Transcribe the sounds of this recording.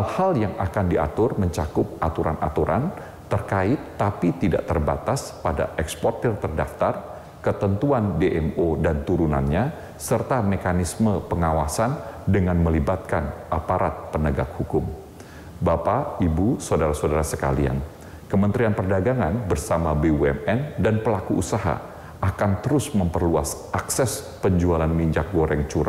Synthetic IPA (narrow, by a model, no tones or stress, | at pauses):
alhaljaŋa̰kandiʔa̰t̪ʊrməɲt͡ʃakʊp̚ʔat̪uɾanʔa̰t̪uɾʔa̰n | t̪ərkaɪt̪ːapit̪ida̰ʔt̪ərbat̪aspada̰ʔɛkspɔrt̪ərt̪ərda̰ft̪ar | kət̪ənt̪uandeʔɛmodant̪uɾuna̰nɲa | sərt̪amekanisməpəŋawasandəŋanməlibat̪̚kanʔapaɾat̪̚pənəɡak̚hukʊm | bapaibusodaɾasodaɾasəka̰lia̰n | kəmənt̪ɾianpərdaɡaŋanbərsamabeuɛmɛndanpəlakuʔusaɦa̰ | ʔakant̪əɾʊsməmpərluasʔaksɛs | pəɲd͡ʒualanmiɲd͡ʒak̚ɡoɾʔɛŋt͡ʃuɾa